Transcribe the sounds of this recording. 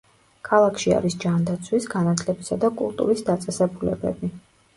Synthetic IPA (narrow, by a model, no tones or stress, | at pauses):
kʰalˠakʰʃia̰ɾisd͡ʒand̪at̪sʰwisɡanat̪ʰlɛbisad̪akʼṵlˠt̪ʼṵɾisd̪at̪sʼɛsɛbulɛbɛbi